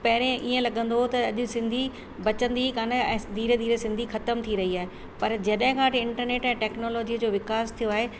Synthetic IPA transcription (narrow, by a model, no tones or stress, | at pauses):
pɐɦɪɾẽʔiːə̃lɐɠə̃nd̪ot̪ɐɐʄʊ̆sɪ̃nd̪ʱi | bɐt͡ɕə̃nd̪ikaːnəɛ̃ːd̪ʱiːɾd̪ʱiːɾsɪ̃nd̪ʱixɐt̪əmt̪ʰiɾɐɦiaːɦe | pɐɾd͡ʑɐɗ̃ɦɪ̃kʰãːʈɪɪ̃ɳʈəɾneːʈɛ̃ːʈɛːknoːlɔːd͡ʑid͡ʑoːʋɪkaːst̪ʰijoaːɦe